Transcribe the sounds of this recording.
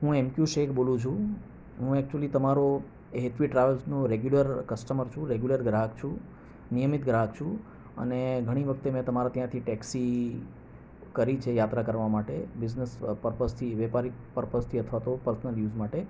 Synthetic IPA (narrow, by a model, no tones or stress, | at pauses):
ɦũemkjuʃekbolũt͡ʃʰũ | ɦũɛk̚t͡ʃuəlit̪əmaɾo | ɦet̪ʰʋiʈɾajʋəlsnũɾeɡjuləɾkəsʈəməɾt͡ʃʰũɾeɡjuləɾɡɾakt͡ʃʰũ | nijəmit̪ɡɾakt͡ʃʰũ | ə̰neɡʱəɽ̃iʋəkʰt̪emɛ̃t̪əmaɾat̪jãt̪ʰiʈɛksi | kəɾit͡ʃʰejat̪ɾakəɾʋamaʈebiznəspəɾpəst̪ʰiʋepaɾik̚pəɾpəst̪ʰiət̪ʰʋat̪opəɾsnəljuzmaʈe